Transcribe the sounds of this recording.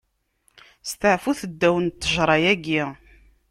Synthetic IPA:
st̪əʕfuθəd̪ːæwənt̪ːəʒɾˤɑjæɡi

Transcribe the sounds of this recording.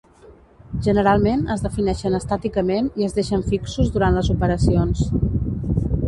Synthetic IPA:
ʒənəɾalˠmenəzðəfinɛʃənəst̪at̪ikəmeniəzðeʃəɱfiksuzðuɾant̪ləzupəɾəsions

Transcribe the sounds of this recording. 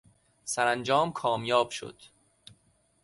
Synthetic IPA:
sæɾænd͡ʒɒːmkʰɒːmjɒːb̥ʃo̰d̪̥

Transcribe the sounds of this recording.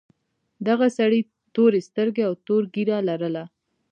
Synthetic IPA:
d̪aɣasaɽi | t̪oɾest̪əɾɡeawt̪oɾɡiɾalaɾəla

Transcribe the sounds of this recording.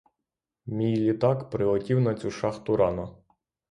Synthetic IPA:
mʲijlʲit̪ɑkpɾɪɦɔtʲiwnɐt͡sʲuʃɑxt̪ʊɾɑnɐ

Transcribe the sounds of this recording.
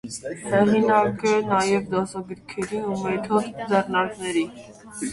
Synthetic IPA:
hɛʁinɑkənɑjɛvd̪ɑsɑɡəɾkʰɛɾiumɛt̪ʰɔd̪d͡zɛɾnɑɾknɛɾi

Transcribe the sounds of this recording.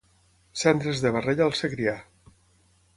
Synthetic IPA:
sɛnt̪ɾezðeβareʎalˠseɣɾia

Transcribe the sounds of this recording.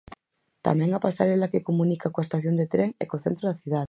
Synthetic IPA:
t̪a̰meŋapasa̰ɾelakekomũnikakoaest̪aθjo̞nd̪et̪ɾeŋḛkoθent̪ɾoðaθjuðað

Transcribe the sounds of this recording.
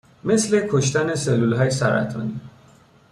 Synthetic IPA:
me̞sle̞kʰoʃt̪æne̞selːulɦɒːjesæɾæ̰t̪ʰɒ̰ːniː

